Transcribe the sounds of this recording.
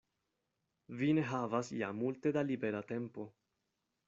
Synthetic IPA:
vine̞ɦavasjamulte̞dalibe̞ɾate̞mpo̞

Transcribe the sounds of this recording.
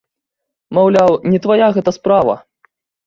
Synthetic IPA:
mawlʲawnʲɛt̪vajaɣɛt̪ɐspɾavɐ̰

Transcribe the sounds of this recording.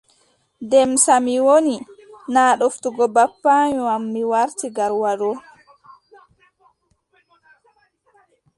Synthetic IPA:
dɛmsamiwoninaːɗoftuɡɔbapːaɲuamːiwaɾtiɡaɾwaɾɔ

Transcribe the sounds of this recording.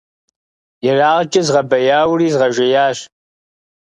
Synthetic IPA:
jɛraːʁt͡ʃʼɐzʁɐbɐjaːwriːzʁɐʒʷɪjaːɕ

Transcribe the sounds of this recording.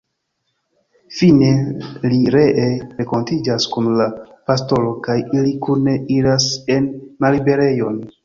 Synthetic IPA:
fine̞liɾe̞ʔeɾe̞ko̞ntid͡ʒaskunla | pasto̞lo̞kajilikune̞iɾase̞nmalibe̞ɾe̞jo̞n

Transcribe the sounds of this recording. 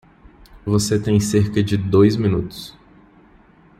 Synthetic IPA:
voset̪ẽj̃seɾkɐd͡ʒɪd̪ojzmĩnut̪ʊ̥s

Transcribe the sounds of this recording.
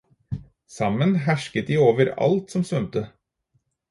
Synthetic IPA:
sɑmənɦæʃkət̪̚d̪iːoːʋəɾɑ̰lt̪sɔmsʋœmt̪ə

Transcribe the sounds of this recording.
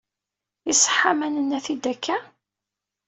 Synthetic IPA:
isə̥ħːamænənːæθid̪ækːæ

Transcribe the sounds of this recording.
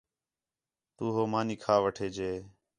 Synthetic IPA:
t̪uːɦoːmaːniːkʰaːʋəʈʰeːd͡ʒeː

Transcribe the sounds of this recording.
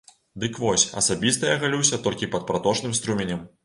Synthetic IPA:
d̪ɨkvɔsʲɐ̰sabʲist̪ɐjaɣalʲuwsʲɐt̪ɔlʲkʲipɐt̪̚pɾat̪ɔt͡ʂnɨmst̪ɾumʲenʲɐm

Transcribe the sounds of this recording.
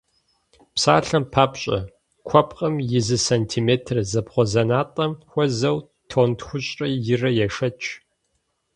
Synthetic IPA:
psaːɬɐmpʰaːpɕʼɐ̰ | kʷʰɔpqʼɐmjɪzɨsantʰimeːtʰrzɐpχʷɔzɐnaːtʼɐmxʷɔzɐw | tʰoːntxʷʊɕʼɐjɪrɐjɛʂɐt͡ʃʰʼ

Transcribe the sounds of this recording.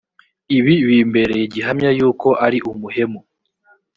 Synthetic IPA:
iβiβiːmbe̞ɾe̞ɟiɦamɲajuːko̞ʔaɾiʔumuɦe̞mo

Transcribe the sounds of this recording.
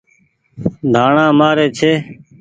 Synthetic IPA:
d̪ʱaːɳãːmaːɾeːt͡ʃʰeː

